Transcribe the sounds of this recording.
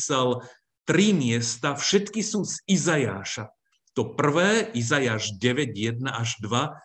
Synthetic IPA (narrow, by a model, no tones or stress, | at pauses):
sɛl | t̪ɾimɪɛst̪afʃɛt̪kisuːzizajaːʃa | t̪ɔpr̩ʋɛːizajaːʒɟɛʋɛɟjɛd̪̚naʔaʒd̪ʋa